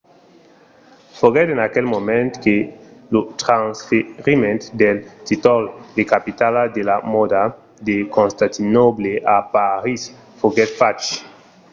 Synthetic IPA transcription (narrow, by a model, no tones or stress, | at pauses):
foɡɛt̪ẽnakelmomẽnt̪kelut̪ɾansfeʁimẽnt̪d̪elt̪it̪old̪ekapit̪alad̪elamod̪a | d̪ekõnst̪ãt̪inobleʔapaɾis | foɡɛt̪fat͡ʃ